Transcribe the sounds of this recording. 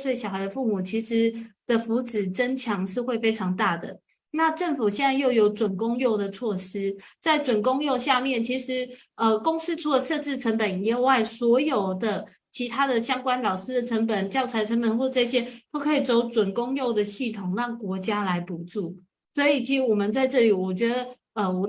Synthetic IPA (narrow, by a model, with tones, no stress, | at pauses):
swe˥˩ɕjɑ˨˩ʊxa˧˥ɪd̪ə˧fu˥˩mu˨˩t͡ɕʰi˧˥ʂɻ̩˧˦d̪̥ə˨fu˧˥t͡sɻ̩˨˩ʈ͡ʂə˥nt͡ɕʰjɑ˧˥ŋʂɻ̩˥˧xwe˥˩ɪfe˥ɪʈ͡ʂʰɑ˧˥ŋt̪a˥˩d̪ə̰˩ | na˥˧ʈ͡ʂə˥˩nfu˨˩ɕ̬jɛ˥˧nt͡sa˥˧ɪjo˥˩ʊjo˧˥ʊt͡swə˨˩nkʊ˥ŋjo˥˩ʊd̪ə˩t͡sʰwɔ˥˩ʂɻ̩˥t͡sa˥˩ɪʈ͡ʂwə˨˩nkʊ˥ŋjo˥˧ʊɕja˥˧mjɛ˥˩nt͡ɕʰi˧˥ʂɻ̩˧˦ | ə˨kʊ˥ŋs̩˥ʈ͡ʂʰu˧˥lə˨˩ʂɤ˥˧ʈ͡ʂɻ̩˥˩ʈ͡ʂʰə˧˥npə˨˩ni˧˥o˨˧wa˥˩ɪswɔ˧˥jo˨˩ʊd̪ə˨ | t͡ɕʰi˧˥t̪ʰa˥d̪ə˨ɕjɑ˥ŋkwa˥nlɑ˨˩ʊʂɹ̩˥d̪ə˨ʈ͡ʂʰə˧˥ŋpə˨˩nt͡ɕjɑ˥˩ʊt͡sʰa˧˥ɪʈ͡ʂʰə˧˥npə˨˩nxwɔ˥˧ʈ͡ʂɤ˥˧ɕjɛ˥t̪o˥˧kʰɤ˧˥i˨˩t͡so˧˥ʊt͡swə˨˩nkʊ˥ŋjo˥˩ʊd̪ə˩ɕi˥˩t̪ʰʊ˨˩ŋɻɑ˥˩ŋkwɔ˧˥t͡ɕja˥la˧˥ɪpu˨˩ʈ͡ʂu˥˩ | swɔ˧˥i˨˩t͡ɕʰi˧˥˧wɔ˨˩mə˨nt͡sa˥˧ɪʈ͡ʂɤ˥˩li˨˩wɔ˨˩t͡ɕɥɛ˧˥d̪ə˧ | ə˨˩wɔ˨˩